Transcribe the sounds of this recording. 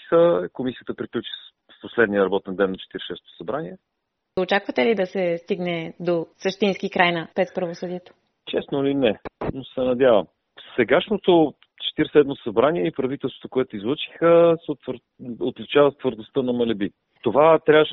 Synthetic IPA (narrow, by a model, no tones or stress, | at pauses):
xəkomisiət̪əpɾiklʲut͡ʃi̥ | fposlɛd̪nijəɾɐbɔt̪ɛnd̪ɛnːɐt͡ʃɛ̥t̪iɾʃɛst̪o̥sɐbɾaniɛ | ot͡ʃakvət̪ɛlid̪ɐsɛst̪iɡnɛd̪osəʃt̪inskikɾʔajnəpɾɛspɾɐvosɤd̪iɛt̪o̥ | t͡ʃɛsnoilinɛnosɛnɐd̪javəm | sɛɡaʃnot̪o | t͡ʃɛ̥t̪iɾsɛd̪mosɐbɾaniɛipɾɐvit̪ɛlˠst̪vo̥t̪okoɛt̪oizlˠot͡ʃi̥xəsɛt̪v | ot̪lʲit͡ʃavət̪vəɾd̪ost̪ənɐmɐlɛbi | t̪ovat̪ɾʲavəʃ